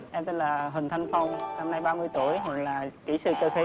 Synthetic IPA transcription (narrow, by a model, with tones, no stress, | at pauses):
ʔɛ˧mt̪ə˨˦˥laː˨˩ɦï˨˩ŋ̟t̪ʰa˧jŋ̟fə˧wŋ͡mna˧mna˧jɓaː˧mɨ˧əjt̪u˧˩əjɦwa˨˩k̚laː˨˩ki˧˩sɨ̰˧˨˩kəː˧xi˨˧˦